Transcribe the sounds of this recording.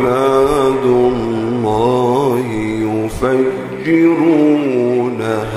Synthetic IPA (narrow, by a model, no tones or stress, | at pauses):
mad̪ʊlːɑːɦɪjʊfa | d͡ʒːɪɾuːna